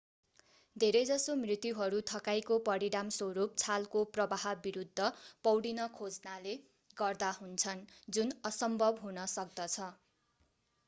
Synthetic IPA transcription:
d̪ʱeɾʌjd͡zʌsomrit̪juɦʌɾut̪ʰʌkajkopʌɽiɽamsoɾup̚t͡sʰalkoprʌbaɦʌbiɾud̪ʱːʌpʌwɽinʌkʰod͡znale | ɡʌrd̪aɦunt͡sʰʌnd͡zunʌsʌmbʱʌbɦunʌsʌk̚d̪ʌt͡sʰʌ

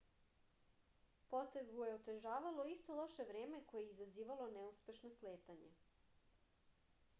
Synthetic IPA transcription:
pot̪eɡuje̞ot̪eʒaːʋalo̞ist̪o̞lˠo̞ʃe̞ʋɾeːmeko̞jeizaziːʋalo̞nɛuspe̞ʃnosleːt̪aɲḛ

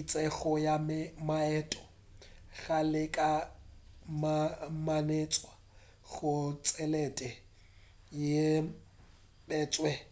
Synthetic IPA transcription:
it͡sʼɛɣɔjammaɛːtʼɔ̥ | ɣalɪkʼa | mamanet͡sʼwa | ɣʊt͡sʼɛlɛtʼɛ | je | bɛːt͡sʼwɛ

